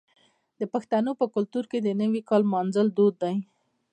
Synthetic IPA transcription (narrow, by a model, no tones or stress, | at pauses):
d̪̥əpaxt̪anopəkʊlt̪uɾked̪ənəwikɑlmɑnzəld̪od̪ːaj